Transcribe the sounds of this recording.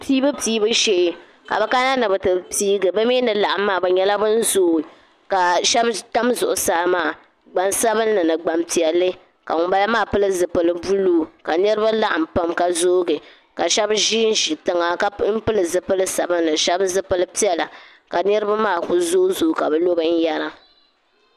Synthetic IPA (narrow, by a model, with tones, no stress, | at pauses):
piː˦bɨ˦piː˦bɨ˦ʃe˦˨ | ka̰˨bɛ˨ka˦na˦nɨ˨bɨ˨tɨ˨piː˦ɡɨ˨bɨ˦mi˦nɨ˨la˨ʔa˦mːaː˦˨bɨ˨ɲɛ˦la˦bɨ˦n̩˦zoː˦˨ | ka˨ʃɛ˦bta˦mzʊ˨ʔʊ˨saː˦maː˦˨ | ɡ͡ba˨nsa˦bɨ˦nːɨ˨nɨ˨ɡ͡ba˨mti˨ɛ˨lːɨ˦ | ka̰˨ŋʊ˨ba˦la˦maː˦˨pɨ˦lɨ˦zɨ˨pɨ˨lɨ˨bu˦luː˦ka˨nɨ˦ɾɨ˦ba˦la˦ʔa˨m˨pa˦mka˨zoː˦ɡɨ˨ | ka˨ʃɛ˦bʒiː˦n̩˦ʒi˨tɨ˦ŋa˨ka˦m̩˦pɨ˦lɨ˨zɨ˨pɨ˦lɨ˦sa˨bɨ˦nnɨ˨ʃɛ˦bzɨ˦pɨ˦lɨ˦pi˦ɛ˨la˨ | ka˨nɨ˦ɾɨ˦ba˦maː˦˨ku˨zoː˦zuː˦˨ka˨bɛ˨lo˦bɨ˦n̩˦ja˦ɾa˦